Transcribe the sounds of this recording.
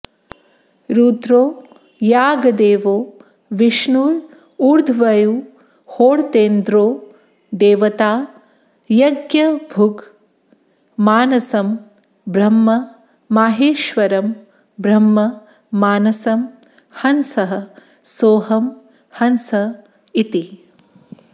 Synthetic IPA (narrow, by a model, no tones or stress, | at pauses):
ɾuːd̪ɾoː | jaːɡɐd̪eːʋoː | ʋiʃnuːɾ | uːɾd̪ʱʋɐju | hoːɽt̪eːnd̪ɾoː | d̪eːʋɐt̪aː | jɐɡjɐbʱuɡ | maːnɐsɐm | bɾɐmːɐ | maːɦeːʃʋɐɾɐm | bɾɐmːɐː | aːnɐsɐm | hɐnsɐɦɐ | soːɦɐm | hɐnsɐ | it̪i